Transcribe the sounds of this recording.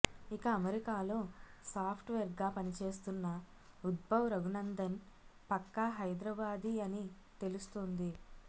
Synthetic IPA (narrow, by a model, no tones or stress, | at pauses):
ikɐːmeɾikaːloːsaːpʰʈʋeːɾɡaːpɐnit͡ʃe̞ːs̬t̪unːɐ | ud̪̚bɐʋɾɐɡunɐnd̪ɐn | pɐkːɐɦɐjd̪ɾɐbaːd̪iɐni | t̪e̞lust̪ond̪i